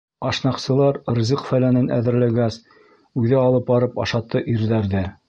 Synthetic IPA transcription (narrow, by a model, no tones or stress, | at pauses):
ɑʃnɑqsɤ̆lˠɑɾrzʲiqfælænɘnʔæ̰ðɘ̆ɾlæɡæs | ʉðɘɑlˠɤp̚bɑɾɤpɑ̰ʃɑt̪ːɤʔiɾðæɾðæ